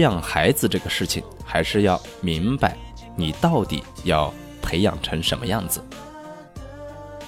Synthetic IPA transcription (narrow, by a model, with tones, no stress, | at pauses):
jɑ˥˩ŋxa˧˥ɪd͡zɹ̩˧ʈ͡ʂɤ˥˩ɡə˩ʂɻ̩˥˩t͡ɕʰḭ˨˩ŋxa˧˥ɪʂɻ̩˥˧jɑ˥˩ʊmi˧˥ŋpa˧˩ɪ | ni˨˩t̪ɑ˥˩ʊt̪ḭ˨˩˦jɑ˥˩ʊ | pʰe˧˥ɪjɑ̰˨˩ŋʈ͡ʂʰɤ˧˥ŋʂə˧˥nmə˧jɑ˥˩ŋd͡zɹ̩˩